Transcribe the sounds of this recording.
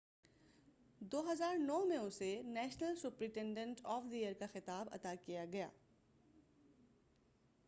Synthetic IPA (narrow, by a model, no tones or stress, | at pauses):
d̪oːɦɐzaːɾnɔːɦmẽʊsenɛːʃnəlsʊpɾɪ̃ʈẽɳɖə̃ɳʈɔːfd̪ijəɾkaxɪt̪aːbɐ̰t̪akijaɡɐja̰ː